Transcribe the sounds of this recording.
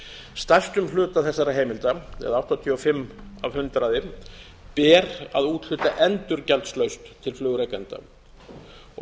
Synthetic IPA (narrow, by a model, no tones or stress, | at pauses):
st̪ḁst̪ʏmlʏːt̪aθɛsːaɾaɦeːjmɪlt̪aɛ̰ðawht̪ɔt̪ʰiɔfɪmːavhʏnt̪ɾaːðɪ | pɛːɾa̰ðuːt̪l̥ʏːt̪aʔɛnt̪ʏɾcalt̪slœɥst̪ʰːɪlflʏːɣʏɾejkant̪a̰